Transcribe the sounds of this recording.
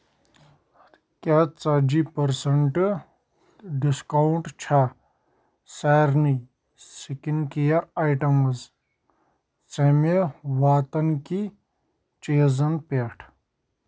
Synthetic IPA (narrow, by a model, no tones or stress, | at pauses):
kʲat͡sɐd͡ʒipɐɾsɐɳʈɨ | ɖiskawɳʈt͡ʃʰa | saːɾni | sikinkijɐajʈɐmɐz | t͡sɐmeʋaːt̪ɐnki | t͡ʃeːzɐnpeʈʰ